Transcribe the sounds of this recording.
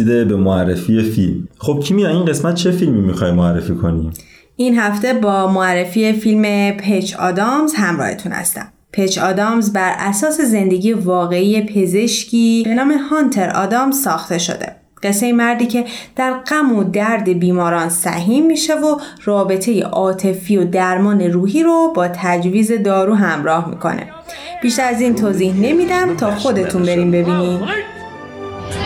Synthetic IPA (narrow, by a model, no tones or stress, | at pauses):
id̪ebe̞moærːefiːjefilmχob̥̚cʲʰimijɒinɢe̞smæt̪̚t͡ʃʰe̞filmimixɒːjmoærːefiːkʰo̞ni | ʔinɦæft̪e̞bɒːmoærːe̞fiːefilme̞pʰet͡ʃʰɒ̰ːd̪ɒmzhæmɾɒ̰ːhe̞̰t̪ʰuːnhæ̰st̪æ̰m | pʰe̞t͡ʃɒːd̪ɒːmzbæɾʔæsɒːse̞ze̞nd̪e̞ɟijevɒːɣe̞ije̞pʰe̞ze̞ʃcʰiːbe̞nɒːme̞hɒnt̪ʰe̞ɾɒ̰ːd̪ɒːmzsɒːxt̪e̞ʃo̞̰d̪e̞̰ | ɢ̥e̞sːe̞jemæɾd̪iːcʰe̞d̪̥æɾɢæmod̪æɾd̪e̞biːmɒːɾɒːnsæ̰ɦiːmːiʃe̞vorɒːbe̞t̪ʰe̞je̞̰ʔɒːt̪ʰe̞fijo̞d̪æɾmɒːne̞ruːɦiːɾobɒːt̪ʰæd͡ʒviːze̞d̪ɒːɾuːɦæmɾɒːhmḭkʰo̞̰ne̞̰ | b̥iːʃt̪æɾæziːnt̪ʰoːzihne̞mid̪æmt̪ʰɒːxo̞d̪e̞t̪ʰunbe̞ɾiːmbe̞biːniːm